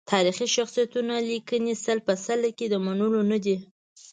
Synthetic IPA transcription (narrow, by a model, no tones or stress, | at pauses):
t̪ʰɑɾixiʃaxsijat̪unalikənisəlpəsalaked̪əmanulonad̪i